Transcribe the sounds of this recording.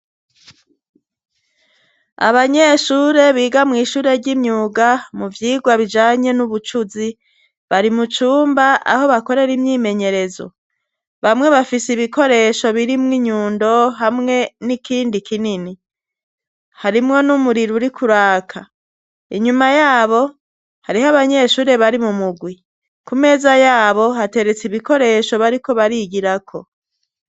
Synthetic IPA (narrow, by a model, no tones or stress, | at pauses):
a̰βaɲe̞ʃuːɾe̞βiːɡamŋiːʃuːɾe̞ɾɟimɲuːɡamuvjiːɡwaβid͡ʒaːɲe̞nuβut͡ʃuzi | βaɾimut͡ʃuːmbaʔa̰ho̞βako̞ɾe̞ɾimɲiːme̞ɲe̞ɾe̞zo̞̰ | βamŋe̞βafisiβiko̞ɾe̞ʃo̞βiɾimŋiɲuːndo̞ɦamŋe̞nikiːndikinini | haɾimŋo̞numuɾiɾuɾikuɾaːkʰa | ḭɲumajaːβo̞ | haɾiɦaβaɲe̞ʃuːɾe̞βaɾimumuɡwi | kume̞ːzajaːβo̞ɦate̞ɾe̞t͡siβiko̞ɾe̞ʃo̞βaɾiko̞βaɾiɡiɾakʰo̞